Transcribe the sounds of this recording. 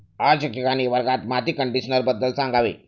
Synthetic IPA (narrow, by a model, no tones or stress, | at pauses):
ad͡ʑkikaniʋəɾɡat̪mat̪iːkəɳɖiɕnəɾbəd̪ːəlsãŋɡʱaʋḛ